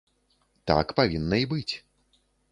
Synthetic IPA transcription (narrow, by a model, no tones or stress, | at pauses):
t̪a̰kpavʲinːɐibɨt͡sʲ